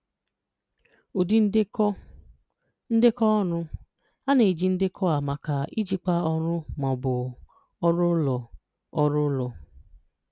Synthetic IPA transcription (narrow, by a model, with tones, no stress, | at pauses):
o˨di˦n˦ɔ˦ | n̩˦de˦kɔ˦ɔ˦nʊ˦ | a˦ne˨i˨d͡ʒi˦n̩˦de˦kʰɔ˦a˨ma˨ka˨i˦d͡ʒi˦k͡pa˦ɔ˦ɾʊ˦mɔ˨bʊ˨ | ɔ˦ɾʊ˦lɔ˨ | ɔ˦ɾʊ˦lɔ˨